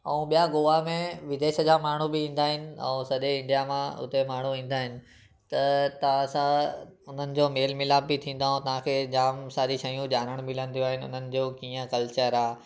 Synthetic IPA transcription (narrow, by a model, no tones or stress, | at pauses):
ɐ̃ũɓijaɡoːʋamẽʋɪd̪eːʃəd͡ʑaːmaːɳ̤ubɪĩːn̆d̪aːɦɪnɪ̆ɛ̰̃ːsɐɗeɪ̃ɳɖijamãʊ̰t̪emaːɳ̤uĩːn̆d̪aːɦɪnɪ̆ | t̪ɐt̪ɐʋãsãʊn̤ənɪ̆d͡ʑoːmeːlmɪlaːbːɪt̪ʰĩːn̆d̪aːɦũt̪ɐʋ̤ãkʰeːd͡ʑaːmsaːɾiʃɐijũd͡ʑaːɾəɽ̃mɪl̤ə̃nd̪ijoaːɦɪnɪʊ̰n̤ənɪ̆d͡ʑoːkiːə̃kɐlt͡ɕəɾaːɦ